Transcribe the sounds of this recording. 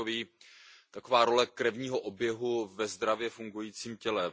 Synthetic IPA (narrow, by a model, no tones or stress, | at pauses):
oviːt̪ako̞vaːɾo̞lɛkɾɛvɲiːɦoʔobjɛɦuvɛzd̪ɾavjɛfuŋɡujiːt͡siːmcɛlɛ